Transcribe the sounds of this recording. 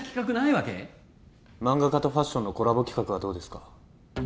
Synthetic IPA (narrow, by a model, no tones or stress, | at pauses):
kʲi̥kak̬ɯ̟naiβake̞̰ | mãŋɡakat̪o̞ɸaɕːonːo̞ko̞ɾabo̞kʲi̥kakɯ̟β̞ad̪o̞ːd̪e̞sɨ̥ka